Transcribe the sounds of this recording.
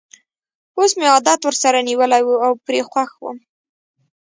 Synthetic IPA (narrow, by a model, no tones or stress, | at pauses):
osmeɑd̪ɑt̪wəɾsaɾaniwəlajwuawpɾexwaxwṵm